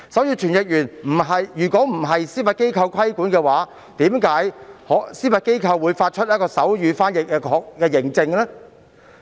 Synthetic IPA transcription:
sɐ˨˥wjiː˧t͡ʃʰyː˨˩njɪ˨k̚jyː˨˩nm̩˨˩ɦɐ˨jjyː˨˩kɔː˨˥m̩˨˩ɦɐ˨jsiː˥fɐ˨˧t̚ke˥jkʰɐ˧wkʰɐ˥jkuː˨˥nkɛː˧waː˨˥ | t̪iː˨˥mkaː˨˥jhɔ˨˥siː˥fɐ˨t̚ke˥jkʰɐ˧wːuː˨˧jfaː˧t̚t͡ʃʰɵ˥t̚jɐ˥t̚kɔː˧sɐ˨˥wjyː˨˧faː˥njɪ˨k̚ːɛ˧kʰɔː˨˧k̚kɛː˧jɪ˨˩ŋt͡sɪ˧ŋlɛ˥

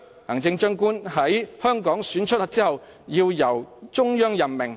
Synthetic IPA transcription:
hɐ˨˩ŋt͡sɪ˧ŋt͡ʃœː˥ŋkuː˥nɦɐ˨˥jhœː˥ŋkɔː˨˥ŋsyː˨˥nt͡ʃʰɵ˥t̚laː˨˩t͡siː˥hɐ˨˩w | jiː˧wjɐ˨˩wt͡ʃʊ˥ŋjœː˥ŋjɐ˨˩nmɪ˨˩ŋ

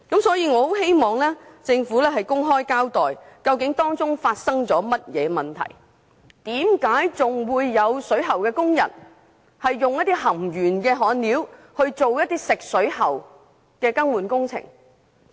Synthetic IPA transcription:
kɐ˨˥msɔː˨˥jiː˧ŋɔː˨˧ho˨˥whe˥jmɔː˨˩ŋlɛː˥t͡sɪ˧ŋfuː˨˥lɛː˥ɦɐ˨jkʊ˥ŋɦɔː˥jkaː˥wt̪ɔː˨jkɐ˧wkɪ˨˥ŋt̪ɔː˥ŋt͡sʊ˥ŋfaː˧t̚sɐ˥ŋt͡sɔː˨˥mɐ˥t̚jɛː˨˧mɐ˨˩nt̪ʰɐ̰˨˩j | t̪iː˨˥mkaː˨˥jt͡sʊ˨ŋwuː˨˧jːɐ˨˧wsɵ˨˥ɥɦɐ˨˩wkɛː˧kʊ˥ŋjɐ̰˨˩n | hɐ˨jːʊ˨ŋjɐ˥t̚t̪i˥hɐ˨˩mjyː˨˩nkɛː˧ɦɔː˨˥nliː˨˥w | hɵ˧ɥt͡so˨wjɐ˥t̚t̪iː˥sɪ˨k̚sɵ˨˥ɥhɐ˨˩w | kɛː˧kɐ˥ŋwuː˨nkʊ˥ŋt͡sʰɪ̰˨˩ŋ

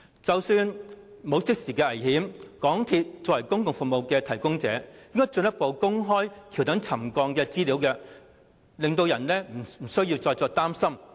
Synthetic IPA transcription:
t͡sɐ˨wsyː˧nmo˨˧wt͡sɪ˥k̚siː˨˩kɛː˧ʔɐ˨˩jhiː˨˥mkɔː˨˥ŋt̪ʰiː˧t̚t͡sɔː˨wɐ˨˩jkʊ˥ŋkʊ˨ŋfu˨k̚mo˨wkɛː˧t̪ʰɐ˨˩jkʊ˥ŋt͡sɛ̰ː˨˥jɪ˥ŋkɔː˥jt͡ʃɵ˧njɐ˥t̚po˨˧wkʊ˥ŋɦɔː˥jkʰi˨˩wt̪ɐ˨˥ŋt͡sʰɐ˨˩mkɔː˧ŋkɛː˧t͡siː˥liː˨˥wkɛː˧ | lɪ˨ŋt̪o˧wjɐ˨˩nlɛː˥m̩˨˩˨sɵ˥ɥjiː˧wt͡sɔː˧jt͡sɔː˧k̚t̪aː˥msɐ˥m

